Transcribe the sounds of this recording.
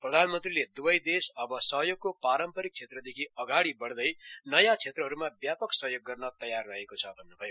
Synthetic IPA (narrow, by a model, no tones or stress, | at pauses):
prʌd̪ʱanmʌnt̪riled̪ubʌjd̪esʌbʌsʌɦjoɡ̚kopaɾʌmpʌɾik̚t͡sʰet̪rʌd̪ekʰiʌɡaɽibʌɽd̪ʌjnʌjãt͡sʰet̪rʌɦʌɾumabjapʌksʌɦjoɡːʌrnʌt̪ʌjarːʌɦekot͡sʰʌbʱʌnːobʱʌjo